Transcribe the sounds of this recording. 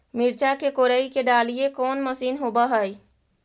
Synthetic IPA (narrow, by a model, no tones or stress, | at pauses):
miɾt͡ʃakekoɾəikeɖalijekɔnməsiːnɦobəɦəj